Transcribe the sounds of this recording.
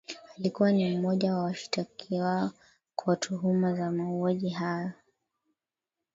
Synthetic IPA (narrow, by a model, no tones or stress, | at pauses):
alikuwanim̩mɔʄawawaʃi̥takʰiwaɔ | kʰwatʰuɦumazamauaʄiɦajɔ